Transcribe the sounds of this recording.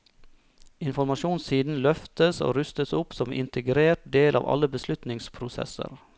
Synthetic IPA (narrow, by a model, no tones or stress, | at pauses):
ɪnfɔɾmɑʃuːnsiːd̪n̩lœft̪əso̰ːɾʉst̪əsʊpsɔmɪ̰nt̪ʰəɡɾeːɾʈ̚d̪eːlɑ̰ːʋɑ̰ləbəslʉt̪nɪŋspʰɾʊsɛ̰sə̰ɾ